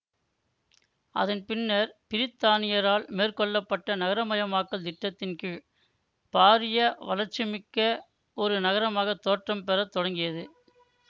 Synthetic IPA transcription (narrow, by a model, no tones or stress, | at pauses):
ʔɐ̰ðɐnpɪnːɐɾpɪɾɪt̪ːaːnɪjɐɾaːlmeːrkɔɭːɐpːɐʈːɐnɐɣɐɾɐmɐjɐmaːkːɐld̪ɪʈːɐt̪ːɪnkɯ | paːɾɪjɐʋɐ̰lɐɾt͡ʃːɪmɪkːɐ | ɔɾɯnɐɣɐɾɐmaːɣɐt̪ːoːʈrɐmpɛɾɐt̪ːɔɽɐŋɡɪjɐðɯ